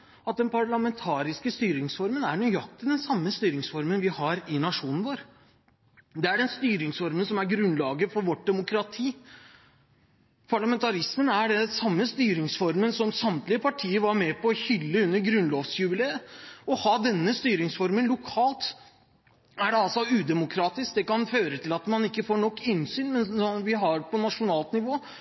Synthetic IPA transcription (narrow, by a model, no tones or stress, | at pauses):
ɑt̪̚d̪ɛnpʰɑɭɑmɛnt̪ʰɑːɾɪskəst̪yːɾɪŋsfɔɾmənæɳɔjɑk̚t̪əd̪ɛnsɑmːəst̪yːɾɪŋsfɔɾmənʋɪhɑɾɪnɑʂuːnn̩ʋoːɾ | d̪ɛæɖɛnst̪yːɾɪŋsfɔɾmənsɔmæɾɡɾʉnlɑːɡəfɔɾʋɔʈ̚ːd̪ɛmʊkɾɑt̪ʰiː | pʰɑɭɑmɛnt̪ʰɑɾɪsmənæɖɛsɑmːəst̪yːɾɪŋsfɔɾmənsɔmsɑmt̪lɪəpʰɑʈʰiːəʋɑɾmɛpɔːçʏlːəʉnːəɾɡɾʉnloːʋsjʉbɪleːəɔhɑːd̪ɛnːəst̪yːɾɪŋsfɔɾmənlʊkʰɑːlt̪ | æɖɛɑlsɔʉːd̪ɛmʊkʰɾɑːt̪ɪsk̚d̪ɛkɑnføːɾət̪ʰɪlɑt̪mɑnɪkːəfoːɳɔkːɪnsyːnmɛnsɔʋɪɦɑɾpʰɔnɑʂʊnɑːlt̪nɪʋoː